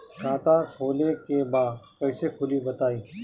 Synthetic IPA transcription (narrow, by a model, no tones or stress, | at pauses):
kaːt̪aːɾhoːlekebaːd̪pɐːsekʰʊlibɐt̪aːĩː